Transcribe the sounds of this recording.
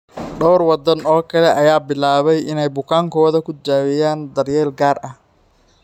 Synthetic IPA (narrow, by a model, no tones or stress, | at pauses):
ɖɔwrwɑd̪ɐnɔːkʰɐlɛʔɐjaːbɪlaːβɛjʔɪnɛjbʊkʰaːŋkʰɔːðɐkʰʊd͡ʒaːwɪjaːnd̪ɐrjɛːlɡaːrʔɐh